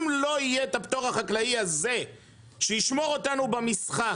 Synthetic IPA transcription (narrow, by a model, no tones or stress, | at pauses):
mlo̞ijet̪apt̪o̞ʁaχaklaiaze̞ | ʃejiʃmo̞ʁo̞tanubamisχa